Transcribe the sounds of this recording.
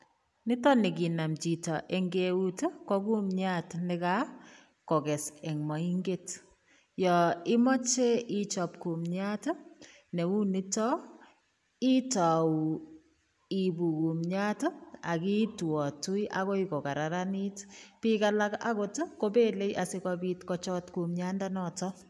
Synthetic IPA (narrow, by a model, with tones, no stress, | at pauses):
nɪ˦tɔ˦nɪ˨k̬i˨na˨mt͡ʃi˨tɔʔe˨ŋɡeu˦to˦kɔ˦ku˦mɲa˦tnɪ˦ka˦ | kɔ˨kɛ˨sɛ˨ŋmɔ˨i˦ŋɡe˦t | jɔɪ˦mɔ˦t͡ʃe˦i˦t͡ʃɔ˨p̚ku˨mɲato˦ | nɛ˨u˦nɪ˦tɔ˦ | i˦tɔ˨w | ibu˨ku˨mɲato˦a˨ki˦twɔ˨tu˦jʔa̰kɔ˦ikɔ˨ka˨ɾa˨ɾani˦tpikala˦ka̰˦koto˦ko˦be˦le˦jʔasɪ˦kɔbitkɔt͡ʃɔtku˨mɲandanɔtɔ